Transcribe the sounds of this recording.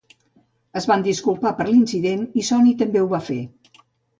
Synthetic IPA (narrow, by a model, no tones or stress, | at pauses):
əzβand̪iskulˠpapəɾlinsiðenisɔnit̪əmbeuβafe